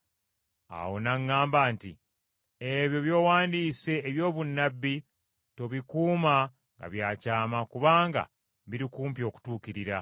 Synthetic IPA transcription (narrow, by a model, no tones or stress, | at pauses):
a̰wo̞naŋːaːmbaːntḭ | eβjo̞βjo̞ːwaːndiːse̞ːβjo̞ːβunːabːi | to̞βikuːma | ŋɡa̰βjaːcaːmakuβaːŋɡa̰ | βiɾikuːmpjo̞ːku̥tuːkiɾiɾa